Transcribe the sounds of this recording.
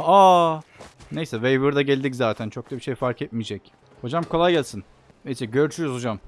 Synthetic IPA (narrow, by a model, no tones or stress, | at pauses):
a | ne̞jsɛvejbuɾd̪aɟælʲd̪ic̬zaːt̪ʰænt͡ʃʰo̞k̚t̪abiʃejfaɾkʰɛt̪̚mid͡ʒɛc | ho̞d͡ʒamkʰo̞lˠajɟælʲsin | ejsɛɟøɾt͡ʃʰyjuzho̞d͡ʒam